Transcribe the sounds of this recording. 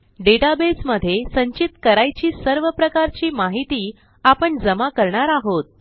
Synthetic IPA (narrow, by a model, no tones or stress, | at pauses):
ɖeʈabesməd̪ʱːjesəɲt͡ɕit̪kəɾajt͡ɕiːsəɾʋəpɾəkaɾt͡ɕiːmaɦit̪iː | apəɳd͡zəmakəɾɳaɾaɦot̪̚